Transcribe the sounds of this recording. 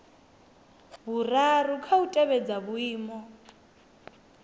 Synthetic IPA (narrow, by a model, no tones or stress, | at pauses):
βurarukʰautʼɛβɛd͡zaβuiːmɔ